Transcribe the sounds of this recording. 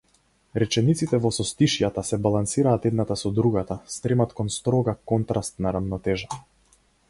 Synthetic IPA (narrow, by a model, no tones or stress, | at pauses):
ɾɛt͡ʃɛnit̪sit̪ɛvɔsɔst̪iʃjat̪asɛbalˠansiɾaːt̪ɛd̪nat̪asɔd̪ɾuɡat̪ast̪ɾɛmat̪kɔnst̪ɾɔɡakɔnt̪ɾast̪naɾavnɔt̪ɛʒa